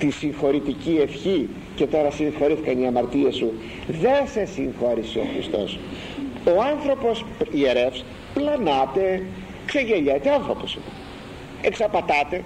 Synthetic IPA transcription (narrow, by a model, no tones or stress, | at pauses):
t̪isiŋxo̞ɾit̪icie̞fçi | ce̞t̪o̞ɾɐsiŋxo̞ɾiθikɐniɐmɐɾt̪iesu | ðe̞se̞siŋxo̞ɾisio̞̰xɾḭst̪o̞̰s | o̞ɐnθɾo̞po̞sieɾefs | plɐnɐt̪e̞ | kse̞ʝe̞ʎɐt̪eɐnθɾo̞posi | eksɐpɐt̪ɐt̪e̞